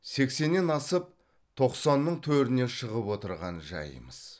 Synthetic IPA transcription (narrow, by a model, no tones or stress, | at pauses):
se̞kse̞nːenɑsəp̚ | t̪ʰo̞qsɑnːəɴt̪ʰɵɾɪne̞ʃəʁəpwo̞t̪əɾʁɑ̰nʒɑ̰jə̰məz̥